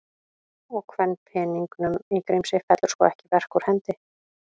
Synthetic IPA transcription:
ɔɣkʰvɛnːpʰɛːniŋknʏmikɾejmsɪfɛt̪lʏɾskɔ̰ɛhcɪvɛr̥kuɾ̥hɛnt̪ɪ

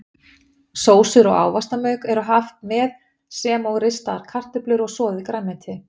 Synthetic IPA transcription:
soːwsʏɾɔ̰ɣa̰ːwvast̪amœːɥkɛɾɔɦaft̪mɛð | sɛmɔɣɾɪst̪aɾ̥kʰar̥t̪ʏplʏɾɔɣsɔːðɪkɾamɛnt̪ʰɪ

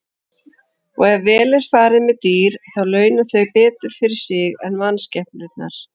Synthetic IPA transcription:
ɔɣɛvvɛːlɪɾ̥faːɾɪmɛðt̪iːɾ̥θawlœːɥnʏθœɥpɛːt̪ʏɾ̥fɪɾɪɾ̥sɪɣɛnvanscɛhpnʏt̪na̰ɾ̥

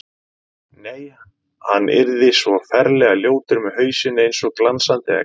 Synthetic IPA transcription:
neːj | hanːʔɪ̰ɾðɪsvɔfɛɾlɛɣaljoːwt̪ɪɾmɛðɦœːɥsɪnːɪejnsɔɣklansant̪ɪa̰

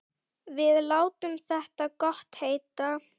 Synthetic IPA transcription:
vɪðlaːwt̪ʏmθɛht̪akɔht̪heːjt̪a

